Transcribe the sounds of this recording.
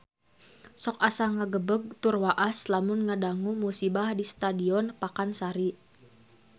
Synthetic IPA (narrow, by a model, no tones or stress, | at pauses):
sɔkasaŋaɡəbəɡ̚t̪urwaʔaslamʊnŋadaŋumusibahdist̪adiɔnpakansaɾi